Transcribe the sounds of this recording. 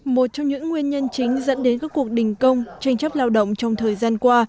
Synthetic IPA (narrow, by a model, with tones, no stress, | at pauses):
mo˨˩t̚t͡ɕɔ˧wŋ͡mɲɨ̰˧˥ŋːwi˧ənɲə˧nt͡ɕï˨˦ŋ̟zə̰˧˥nɗe˨˦nkaː˦˥kːu˨˩ək̚ɗï˨˩ŋ̟kə˧wŋ͡mt͡ɕa˧jŋ̟t͡ɕɔ˦˥p̚laː˧wɗə̰˧˨wŋ͡mt͡ɕɔ˧wŋ͡mt̪ʰəː˨˩jzaː˧nkwaː˧